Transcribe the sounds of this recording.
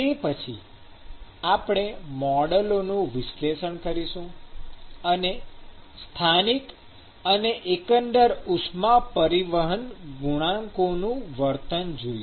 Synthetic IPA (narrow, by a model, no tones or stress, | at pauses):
t̪epət͡ʃʰḭ | apɳ̃emɔɖəlonũʋɪʃleʃəɳkəɾiʃũ | ənest̪ʰanik | əneʔekənɖəɾusmapəɾiʋəɦənɡuɽ̃ãŋkonũʋəɾt̪ənd͡ʒoj